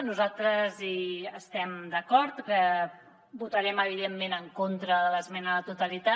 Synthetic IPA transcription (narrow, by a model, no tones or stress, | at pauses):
nuzalˠt̪ɾəziəst̪ɛmd̪əkɔɾt̪kə | but̪əɾɛməβ̞iðemːenəŋkont̪ɾəðələzmɛnəðət̪ut̪əlit̪a